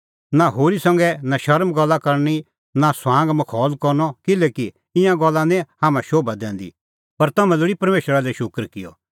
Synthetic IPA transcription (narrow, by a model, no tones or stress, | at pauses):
naɦoːɾisɐ̃ŋɡɛnaʃɐɾmɡɐlːakɐɾni | nasãːŋɡmɐkʰɔːlkɐɾnɔkɪlɛːki | ɪ̃jãɡɐlːãnɛ̃haːmɛ̃ʃoːbad̪ɛ̃ːnd̪ḭ | pɐɾt̪ɐmɛ̃lʊɽipɐɾmeːʃɾalɛʃʊkɾkɪjɔ̰